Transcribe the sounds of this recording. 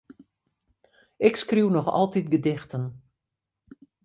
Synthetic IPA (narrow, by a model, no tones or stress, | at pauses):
ʔɪkskriwnɔxɔ̰lˠtit̚ɡədɪxtən